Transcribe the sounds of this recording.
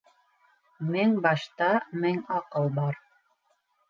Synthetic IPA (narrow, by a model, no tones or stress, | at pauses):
mɘŋbɑʃt̪ɑmɘŋɑqɤlˠbɑɾ